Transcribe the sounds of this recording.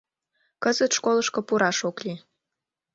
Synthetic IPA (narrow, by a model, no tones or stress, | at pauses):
kəzət̪ʃkoləʃkŏpuɾɑʃokli